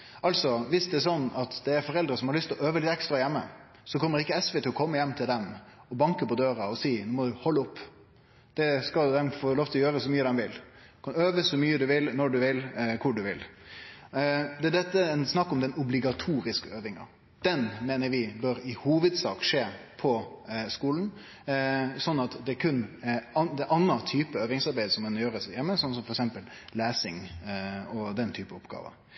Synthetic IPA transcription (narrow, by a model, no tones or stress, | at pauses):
ʔɑlsɔʋɪsd̪ɛæsɔnːɑt̪d̪ɛæɾfɔɾɛld̪ɾəsɔmhɑɾɭʏst̪lɔøːʋəlɪt̪ːɛkst̪ɾɑjɛmːə̰ | sɔkʰɔmːəɾɪkːəɛsʋɛːt̪ɪlːɔkʰɔmːəjɛmːt̪ʰɪld̪ɛm | ɔbɑŋkəpɔd̪øːɾɑɔsiːnuːmɔd̪ʉhɔlːəʊpː | d̪̥ɛskɑd̪ɛmfoːɾloːft̪ʰlɔjøːɾəsɔmyːəd̪ɛmʋɪlkʰɑnøːʋəsɔmyːəd̪ʉʋɪlnɔɖʉʋɪlkʰʊɖʉʋɪ̰l | d̪ɛæd̪ɛt̪ːəɛnsnɑkːɔmd̪ɛnʊblɪɡɑt̪ʰuːɾɪskəøːʋɪŋɑ̰ | d̪̥ɛnmeːnəɾʋɪbœɾɪhuːʋəd̪sɑːkʂeːpʰɔskuːlən | sɔnːɑt̪d̪ɛæɾkʰʉnɑd̪ɛʔɑnːɑt̪ʰyːpəøːʋɪŋsɑɾbæɪd̪əsɔmkɑnjøːɾəsjɛmːəsɔns̬ɔmfɔɾɛksɛmpəl | læːsɪŋ | ɔd̪ɛnt̪ʰyːpəɔpɡɑ̰ːʋə̰